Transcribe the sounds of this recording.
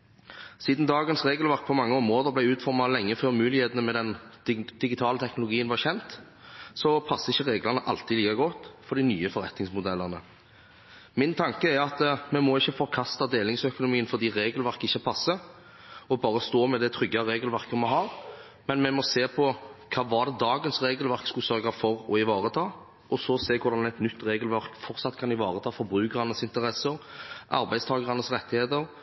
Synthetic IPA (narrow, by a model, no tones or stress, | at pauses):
siːd̪n̩d̪ɑːɡənsʁeːɡəlʋæʁk̚pʰɔmɑŋːəɔmʁoːd̪əʁblæɪʉːt̪fɔɾmɑlɛŋːəføːʁmʉːlɪheːt̪ənəmɛd̪ɛnd̪̥ɪɡɪt̪ʰɑːlət̪ʰɛknʊlʊɡiːənʋɑʁçɛnt̪ | sɔpʰɑsːəɪçːəʁeːɡlɑnəʔɑlt̪ɪliːkɑɡɔt̪fɔʁd̪ɪnyːəfɔɾɛt̪nɪŋsmʊd̪ɛlːəʁnə̰ | mɪnt̪ʰɑŋkəæɾɑt̪mɛmɔɪçːəfɔɾkʰɑst̪ɑd̪eːlɪŋsœkʊnʊmiːənfɔʁd̪iːʁeːɡəlʋæʁkɪçːəpʰɑsːə | ɔbɑːɾəst̪oːmɛd̪ɛt̪ʰɾʏɡːɑɾeːɡəlʋæʁkəmɛɦɑːɾ | mɛnmɛmɔseːpʰɔkʰɑːʋɑʁd̪ɛd̪ɑːɡənsɾeːɡəlʋæʁkskʉsœɾɡɑfɔɾɔɪʋɑːʁət̪ʰɑː | ʔɔsɔseːkʰʊɾd̪ɑnɛt̪nʏt̪ːɾeːɡəlʋæʁkfɔʁt̪sɑt̪ːkʰɑnɪʋɑːʁət̪ʰɑːfɔbɾʉːkəʁɑnəsɪnt̪əʁɛsːəɾʔɑ̰ɾbæɪst̪ʰɑːɡəʁɑnəsʁɛt̪ːɪheːt̪əɾ